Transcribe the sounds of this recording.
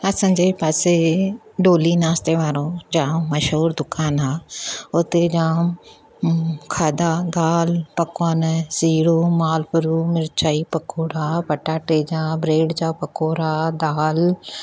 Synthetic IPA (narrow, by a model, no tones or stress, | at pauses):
ɐsə̃d͡ʒeːpaːseɖoːlinaːst̪eʋaːɾõd͡ʒãːmɐʃɦuːɾd̪ʊkaːnɦaːʊt̪ed͡ʒãː | kʰaːd̪ad̪aːlpɐkwaːnsiːɽoːmaːlpʊɾuːmɪɾt͡ʃʰaːipɐkoːɽaːpɐʈaːʈeːd͡ʒaːbɾeːɖd͡ʒaːpɐkoːɾaːd̪aːl